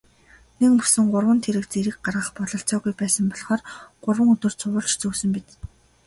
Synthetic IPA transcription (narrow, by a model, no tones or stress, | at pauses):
nek̚pu̥sɘ̆ŋɢʊrwə̆nt̪ʰeɾɘ̆kt͡seɾɘ̆k̚ɢarʁə̆χpɔɮɞ̆ɬt͡sɔːɣujpæːsə̆mpɔɮχɔːrɢ̥ʊrwə̆ŋɵt̪ɵ̆r̥t͡sʰʊwʊ̆ɮt͡ɕt͡sɵːsɵ̆mpit̪